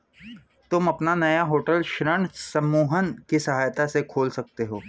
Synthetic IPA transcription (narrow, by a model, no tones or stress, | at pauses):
t̪ʊmɐpnanɐjaɦoːʈəlʃɾəɳ̃sɐmuːɦənkisɐɦaːjt̪asekʰoːlsɐk̚t̪eɦoː